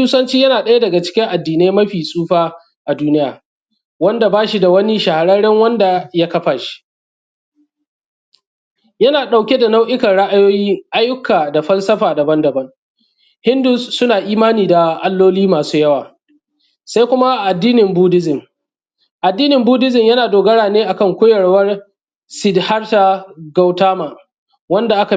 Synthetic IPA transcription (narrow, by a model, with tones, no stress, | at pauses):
uː˦sɐ˦nt͡ʃiː˦jɐ˦naː˨ɗɐ˦ja˦dɐ˨ɡa˨t͡ʃɪ̥˦kʲɪ˦ŋʔa˨dːiː˨neː˦mɐ˦ɸiː˨sʼuː˦ɸaː˦ | ʔa˨duː˦nɪ˦jaː˨ | wɐ˦nda˨baː˦ʃi˨da˨wɐ˦ni˦ʃa˨ha˨ɽɐ˦ɽɛ˦ŋwɐ˦nda˨ja˦kɐ˦ɸaː˨ʃi̥˦ʔ | jɐ˦naː˨ɗa˨wkʲe˦da˨na˦wʔɪ˦kɐ˨ɽa˦ʔa˦joː˦jiː˦ʔa˦jːʊ˦kːaː˨da˨ɸɐ˦lsɐ˦ɸaː˨dɐ˨bɐ˦ndɐ˨bɐ˦ŋ | hɪ˦ndʊ˨sːʊ˦naː˨ʔiː˦maː˦niː˨da˨ʔa˦lːoː˦liː˦maː˨suː˦jɐ˦waː˨ | sa˦jkʷʊ˦ma˦ʔʔa˨dːiː˦nɪ˨mbuː˦dɪ˦zɪ˨ŋ | ʔa˨dːiː˦nɪ˨mbuː˦dɪ˦zɪ˨mjɐ˦naː˨doː˨ɡɐ˦ɽaː˨neː˦ʔa˨kɐ˦˨ŋkʷʊː˦jɐ˨ɽwɐ˦r | sɪ˨dha˦rta˨ɡa˦wtaː˦maː˨ | wɐ˦nda˨ʔa˦ka˨